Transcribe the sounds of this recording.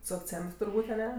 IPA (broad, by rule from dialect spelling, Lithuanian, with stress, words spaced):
sʊ ɐkˈt͡sʲɛnt tʊrˈbuːtʲ ɐˈnʲɛ